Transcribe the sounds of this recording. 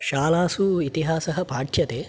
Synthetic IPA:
ʃaːlaːsuit̪iɦaːsɐɦɐpaːʈʰjɐt̪eː

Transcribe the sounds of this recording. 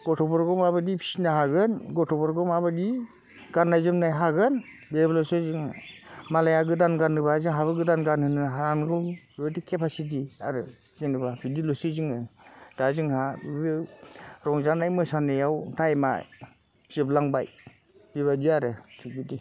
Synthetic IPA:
ɡ̥ɔtʰɔbɔɾɡɔmabɯdipʰi̥sinaɦaɡɯnɡɔtʰɔbɔɾɡɔmabɯdi | ɡ̥anːajzɯmnajɦaɡɯn | beblɔsɯzɯŋmalajaɡɯdanɡanːɯbazɯŋɦabɯɡɯdanɡanhɯnɯɦaɾanɡɔl | ɯbadikʰepʰasit̬iaɾɯ | zɯŋnɯbabidilɔsɯziŋɯd̥azɯŋhabɯɾɔŋzanajmɯsanejawtajma̰ | z̥ɯblaŋbaj | biβadiaɾɯtʰik̚bidi

